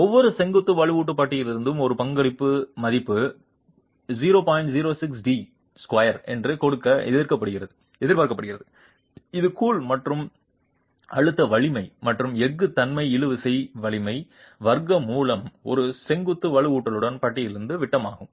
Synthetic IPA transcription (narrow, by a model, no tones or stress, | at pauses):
ɔʋːɔɾɯsɛŋɡɯt̪ːɯʋɐɭɯʋuːʈ̬ːɯpɐʈːɪjɪlɪɾɯnd̪ɯʋɯmɔɾɯpɐŋɡɐɭɪpːɯmɐðɪpːɯ | ziːɾoːpaːjɪɳʈziːɾoːsɪksɖi | skʋɐjɐɾɛ̰ndrɯkɔɽɯkːɐɛ̰ððɪɾkɐpːɐɽɯɣɪɾɐðɯ | ɛðɪɾpaːɾkɐpɐɽɯɣɪɾɐðɯ | ɪðɯkuːlmɐʈrɯm | ɐɻɯt̪ːɐʋɐɭɪmɐɪmɐʈrɯmɛɡːɯt̪ɐnmɐɪɪɻɯʋɯsɐɪʋɐɭɪmɐɪ | ʋɐɾɡɐmuːlɐmɔ̰ɾɯsɛŋɡɯt̪ːɯʋɐɭɯuːʈːɐlɯɽɐnpɐʈːɪjɪlɪɾɯnd̪ɯʋɪʈːɐma̰ːɣɯm